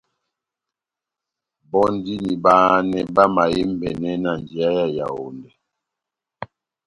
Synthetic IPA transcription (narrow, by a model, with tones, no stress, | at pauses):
bɔ˦n˦di˦ni˨baː˦nɛ˨ba˦ma˨ji˦m˦bɛ˨nɛ˦na˨n˨d͡ʒi˨a˦ja˦ja̰˨o̰˨ndɛ˨